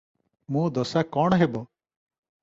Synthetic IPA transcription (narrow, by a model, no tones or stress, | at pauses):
mũːd̪ɔsakɔɳ̃ɦebɔ